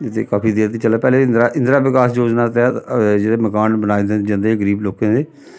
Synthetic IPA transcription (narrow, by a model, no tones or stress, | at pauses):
ɪt̪ʰḛːkaːpʰiːd̪eːɾt̪iːt͡ʃəlaːpɛːleːɪ̃nd̪ɾaːʔɪ̃nd̪ɾaːʋɪkaːsd͡ʒoːd͡ʒnaːt̪ɛːd͡ʒeːɽeːməkaːnbənaːid̪ẽd͡ʒə̃nd̪eːɡəɾiːbloːkãːd̪eː